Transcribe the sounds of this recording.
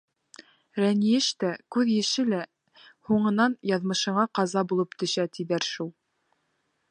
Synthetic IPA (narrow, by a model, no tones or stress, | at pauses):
ɾænijɘʃt̪ækʉðjɘ̆ʃɘlæ | huɴɤ̆nɑnjɑðmɤ̆ʃɤ̆ɴɑqɑzɑbulˠɤpt̪ɵ̆ʃæt̪iðæɾʃulˠ